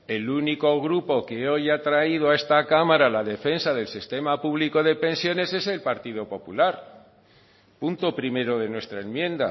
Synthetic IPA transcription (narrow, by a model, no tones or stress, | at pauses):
e̞luniko̞ɣ̞ɾupo̞ke̞o̞jat̪ɾaið̞oaest̪akamaɾalaðe̞fe̞nsaðe̞lsist̪e̞mapuβliko̞ðe̞pe̞nsjo̞ne̞se̞se̞lpaɾt̪iðo̞po̞pulaɾ | punt̪o̞pɾime̞ɾo̞ð̞e̞nwe̞st̪ɾaenmjẽ̞nd̪a̰